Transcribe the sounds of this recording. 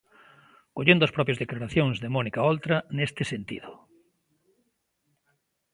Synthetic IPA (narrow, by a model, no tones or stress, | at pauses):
koʎẽnd̪ʊɐspɾɔpjɐzðeklaɾaθjoŋzðemɔnikaolt̪ɾanest̪ɪsent̪ḭðʊ